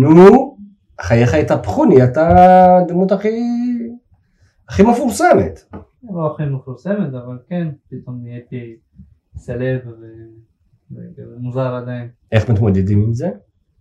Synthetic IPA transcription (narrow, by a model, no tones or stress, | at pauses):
nu | χajeχajt̪apχuniat̪ad̪mut̪aχi | aχimefuɾsemḛt̪ | loaχimefuɾsemet̪avalkenpit̪omijeki | selevve | muzaɾad̪ain | eχmat̪mod̪ed̪imilze